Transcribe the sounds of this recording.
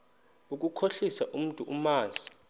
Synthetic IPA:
uk̬ʼukʰoɬisaʔum̩tʼuʔumaːzi

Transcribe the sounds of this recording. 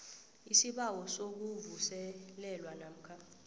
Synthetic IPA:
isiɓawɔsok̬uvusɛlɛlwanam̩kʰa

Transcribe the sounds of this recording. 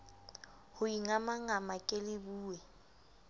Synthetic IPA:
hʊiŋamaŋamakʼelɪbuːwɛ

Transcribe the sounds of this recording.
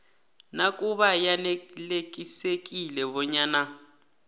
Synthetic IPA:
nakʼuβajanelek̬ʼisek̬ʼilɛβɔɲaːna

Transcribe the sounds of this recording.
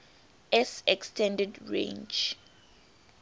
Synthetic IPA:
ɛsɛkstʰɛ̃ndɛdɹḛ̃nd͡ʒ

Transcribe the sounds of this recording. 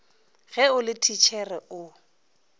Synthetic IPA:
ɣɛʊlɪtʰit͡ʃʰɛrɛʊ

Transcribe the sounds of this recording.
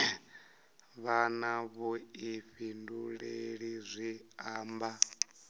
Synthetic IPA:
βanaβɔiɸinduɺeɺizʷiaːmba

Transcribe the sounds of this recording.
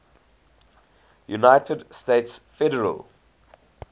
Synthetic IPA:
junaɪtʰədsteɪtsfɛdəɹə̰l

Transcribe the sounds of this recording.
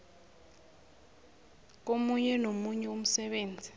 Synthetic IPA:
k̬omuɲɛnomuɲɛuom̩sɛɓeːnd͡zʱi

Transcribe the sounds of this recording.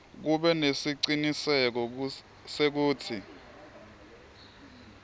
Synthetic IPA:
k̬uɓɛnesiǀinisɛk̬ɔ | sek̬uːtʰi

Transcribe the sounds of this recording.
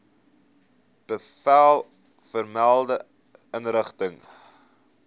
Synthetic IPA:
b̥əfælˠ | fərmælˠdə | ənrəχtəŋ

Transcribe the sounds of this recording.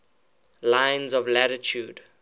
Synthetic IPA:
lãɪ̃nzɔvlæɾɪtʰjuːd

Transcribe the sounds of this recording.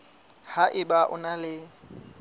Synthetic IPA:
haʔɪbaʔʊ̰nalɪ

